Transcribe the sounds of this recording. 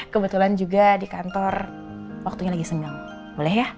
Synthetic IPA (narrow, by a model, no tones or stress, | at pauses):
kəbət̪uland͡ʒuɡadikant̪ɔr | wak̚t̪uɲalaɡisəŋaŋ | bolɛhja